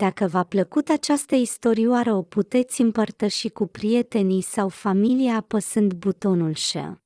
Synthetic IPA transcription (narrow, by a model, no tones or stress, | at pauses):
d̪akəvapləkut̪at͡ʃast̪əist̪o̞ɾiwaɾəo̞put̪e̞t̪sʲɨmpərt̪əʃikupɾije̞t̪e̞nisawfamiliapəsɨnd̪but̪o̞nulʃḛ